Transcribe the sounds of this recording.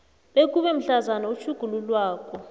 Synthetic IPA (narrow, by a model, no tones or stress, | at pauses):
ɓek̬ʼuɓɛm̩ɬazanaut͡ʃʰuɡ̥ʱululwaːkʰʼɔ